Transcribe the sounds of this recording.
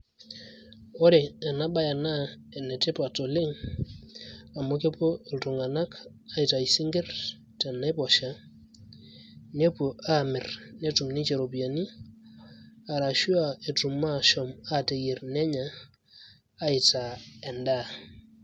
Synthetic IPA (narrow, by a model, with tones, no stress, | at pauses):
ɔ˦ɾe˨ɛ˨na˦ɓa˦ja˨na˦ɛ˨nɛ˨te˦pa˨to˨lɪ˦ŋ | a˨mo˦ke˦po˦˨lto˨ŋa˨na˦k | a˦ɪ˨ta˨i˨si˦ŋɡe˦r | tɛ˨na˦pɔ˨ʃa˦ | ne˦pu˨a˦˨mɪ˨ɾne˦tu˨mni˦t͡ʃe˨ɾo˨pi˨a˨ni˦ | a˨ɾa˨ʃu˦a˨e˨tu˨mːa˦˨ʃɔ˨ma˦˨te˨je˨ɾnɛ˦ɲa˨˦ | ɪ˨ta˨ɛ˨nda˦